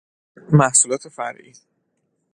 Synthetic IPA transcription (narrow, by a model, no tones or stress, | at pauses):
mæhsulɒːt̪ʰe̞fæɾʔḭ